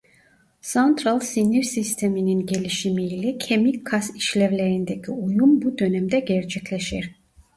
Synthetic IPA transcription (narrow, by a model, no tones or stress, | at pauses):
sant̪ʰɾalˠsiniɾsist̪ʰemininɟe̞lʲiʃimiːlʲɛcʰemikʰːasiʃlʲɛvlʲeɾind̪ecʰiujumbud̪ø̞nɛmd̪ɛɟɛɾt͡ʃʰɛclʲeʃiɾ̥